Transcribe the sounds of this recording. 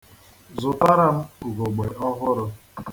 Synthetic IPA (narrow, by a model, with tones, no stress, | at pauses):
zʊ˨pa˦ɾa˦m̩˦u˨ɡo˨ɡ͡be˨ɔ˦ɦʊ˦ɾʊ˦